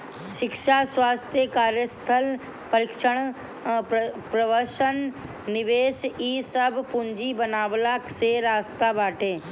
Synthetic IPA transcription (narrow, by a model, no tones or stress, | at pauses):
ʃɪkʃaswaːst̪ʰjəkaːɾjəst̪ʰəl | pəɾɪkʃəɽ̃ | pɾəʋəɾʃənː | ɪʋeːʃiːsəbpʊɲd͡ʒibənaːʋlakseɾaːst̪abaːʈʰeː